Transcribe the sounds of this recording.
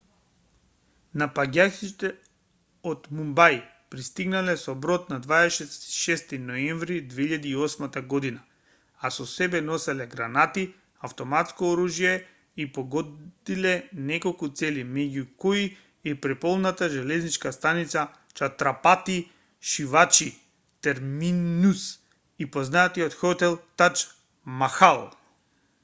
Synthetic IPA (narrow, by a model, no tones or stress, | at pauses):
napaɟʲakit̪ɛ | ot̪mumbaj | pɾist̪iɡnalɛsɔbɾɔt̪nad̪vaɛʃɛsʃɛst̪inɔɛɱvɾid̪veiʎad̪iːɔsmat̪aɡɔd̪ina | asɔsɛbɛnɔsɛlɛɡɾanat̪i | aft̪ɔmat̪skɔoɾuʒijɛ | ipoɡɔd̪ilɛnɛkolˠkut̪sɛlimɛɟukoi | ɛpɾɛpɔlˠnat̪aʒɛlɛznit͡ʃkast̪anit̪sa | t͡ʃat̪ɾapat̪i | ʃivat͡ʃi | t̪ɛɾminus | ipoznat̪iɔt̪xɔt̪ɛlˠt̪at͡ʃ | maxalˠ